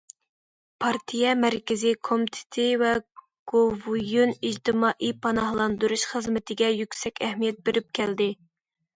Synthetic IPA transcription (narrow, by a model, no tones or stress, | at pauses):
pʰɑɾt̪ʰijɛmæɾkʲɪzɪkʰomit̪ʰɪ̥t̪ʰɪvɛ | ɡ̥ovujunid͡ʒt̪ɪmɑʔipʰɑnɑhlˠɑnd̪uɾuʃχəzmɪt̪ʰɪɡʲɛjykʲsɛkʲɛhmijɛt̪̚beɾɪp̚kʲʰæld̪ɪ